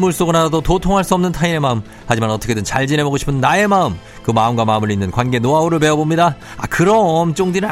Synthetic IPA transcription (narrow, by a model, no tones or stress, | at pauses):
muɭs͈oɡɯnadadototʰoŋɦaɭs͈uʌmnɯntʰaine̞maɯm | had͡ʑimanʌt͈ʰʌkʰedɯnt͡ɕaɭd͡ʑinebʌɡoɕʰi̥pʰɯnːae̞maɯm | kɯmaɯmɡwamaɯmɯɾinːɯnkwanɡe̞noaoɾɯɭpe̞ʌbomɲida | akɯɾʌmt͡ɕ͈oŋdin